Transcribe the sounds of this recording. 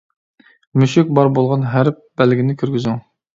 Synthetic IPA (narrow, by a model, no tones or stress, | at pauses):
myʃyk̚ʲbɑɾbolˠʁɑnɦæɾp̚bælɡʲinɪkʲʰyɾɡʲyzyŋ